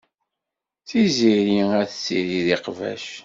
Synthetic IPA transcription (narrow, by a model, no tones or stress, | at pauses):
θiziɾiæθt͡sːḭɾiðiqvæ̰ʃ